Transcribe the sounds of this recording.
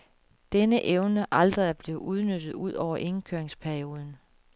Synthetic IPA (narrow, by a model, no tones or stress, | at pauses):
d̥enəʔeʊnəʔɑld̥ʁɐðˠɐb̥le̝ʊʔuð̞ˠnød̥ð̞̩ˠuð̞̰ˠɒʊɐʔe̝nkʰøɐ̰eŋspʰæɐio̝ːð̞ˠn̩